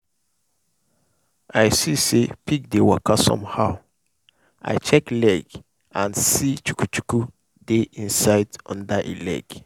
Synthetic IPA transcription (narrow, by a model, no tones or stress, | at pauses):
ʔajsisepʰik̚dewɔkasɔ̰̃mhaʊ | a̰ɪt͡ʃɛklɛɡ | ãnsit͡ʃu̥kut͡ʃuku | deʔĩnsaɪdɔ̰̃ndaʔḛlɛ̰ɡ̥